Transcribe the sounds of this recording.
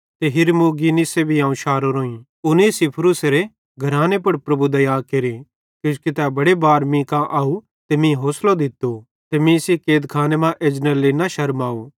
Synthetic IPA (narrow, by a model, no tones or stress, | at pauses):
t̪eɦɪɾmuɡinisebʱiãːũʃaːɾoɾoːĩ | ʊnisipʰɾʊseɾe | ɡʱɐɾaːnepɐɽpɾɐbud̪ɐjaːkeɾi | kjoskit̪ɛbɐɽebaːɾmĩkãʔaːu | t̪emĩɦoːslod̪ɪt̪ːo | t̪emĩsikeːd̪kʰaːnemãʔeːd͡ʒnəlːenaʃɐɾmaːo